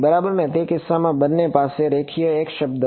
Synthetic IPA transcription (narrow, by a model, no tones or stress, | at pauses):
bɐɾaːbəɾmɛ̃t̪ekɪsamãbɐnːepaːseɾeːkʰieeːkʃɐb̚d̪